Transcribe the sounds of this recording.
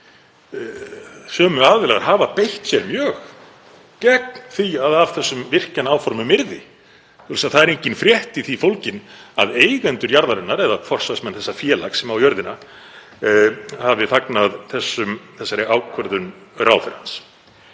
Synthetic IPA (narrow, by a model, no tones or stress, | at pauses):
sœːmʏaðvɪlaɣaɾ̥ɦaːvapejht̪sjɛɾmjœːx | cɛk̚n̥θiaðav̥θɛsːʏmvɪr̥canaːwfɔɾmʏmɪɾðɪ | θʰulsaðθaðɛɾejɲcɪnfɾjɛht̪iθifowlcɪnaðeːjɣɛnt̪ʏɾjaɾðaɾɛnːaɾɛðafɔr̥sasmɛnθɛsːafjɛːlaksɛmawjœɾðɪna | havɪθaknaðθɛsːʏmθɛsːaɾɪʔaːwkʰvœɾðʏnrawθɛɾ̥hans